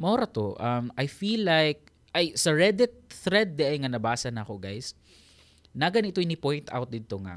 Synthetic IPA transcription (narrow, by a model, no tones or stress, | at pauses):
mɐʔoɾɐt̪oʔɐmajfilːajk̚ | ʔajsɐɹɛd̪ɪt̪̚θɾɛd̪̚ːɛʔajŋɐnɐbaːsɐnakoɡajs | naɡɐnʔɪt̪oʔɪnipojnt̪ʔa̰wt̪̚d̪ɪd̪̚t̪oŋa̰